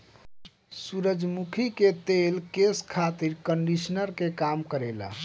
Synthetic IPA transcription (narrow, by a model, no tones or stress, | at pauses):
suɾəd͡ʒmukʰiket̪elkeskʰat̪iɾkəɳɖisnəɾkekamkəɾela̰